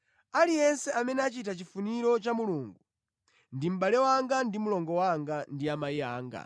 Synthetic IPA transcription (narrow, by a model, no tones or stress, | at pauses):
alijɛnsɛamɛnɛat͡ʃitat͡ʃifuniɾɔt͡ʃamuluŋɡu | ndim̩ɓalɛwaŋɡandimulɔŋɡɔwaŋɡandiamaia̰ːŋɡa̰